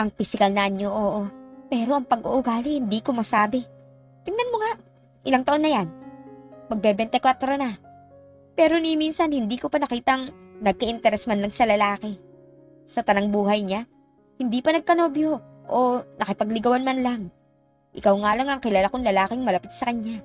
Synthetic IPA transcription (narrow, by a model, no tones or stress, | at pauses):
ʔɐŋfɪsɪkɐlnɐʔɐɲːoʔoːʔo̞pɛːɾo̞ʔɐŋpɐɡʔoʔʊɡaːlɪhɪnd̪iːko̞mɐsaːbɪ | t̪ɪŋnɐnmoŋaʔ | ʔɪlaŋt̪ɐʔo̞nːɐjan | mɐɡ̚bɛbɛnt̪ɐkwat̪ɾona | pɛːɾo̞niminsɐnhɪnd̪iːko̞pɐnɐkiːt̪ɐŋnɐɡ̚kɐʔɪnt̪ɛɾɛsmanlɐŋsɐlɐlaːkɛ | sɐt̪ɐnɐŋbuːhɐjɲa | hɪnd̪ipɐnɐɡ̚kɐno̞ːbjo̞ʔonɐkɪpɐɡlɪɡɐwanmanlaŋ | ʔɪkawŋalɐŋɐŋkɪlaːlakoŋlɐlaːkɪŋmɐlɐpɪt̪̚sɐkɐɲːa